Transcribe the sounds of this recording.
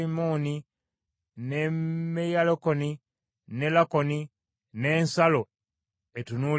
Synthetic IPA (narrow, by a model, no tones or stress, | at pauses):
imoni | nemejalokoni | nelakoni | ne̞ːnsalo | etunu